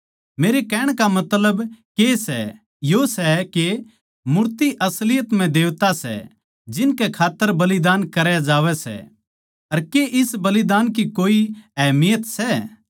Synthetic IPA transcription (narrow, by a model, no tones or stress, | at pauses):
meːɾekɛːɽ̃kamɐt̪ləbkesɛ̰ | josɛke | mʊɾt̪iʔɐslɪjət̪m̤ɛ̃d̪eːʋt̪asɛ̰ | d͡ʒɪnkɛkʰaːt̪ːəɾbɐlid̪aːnkɐɾjad͡ʒaːʋɛsɛ̰ | ɐɾkeʔɪsbɐlɪd̪aːnkikoːiɛːmɪjət̪sɛ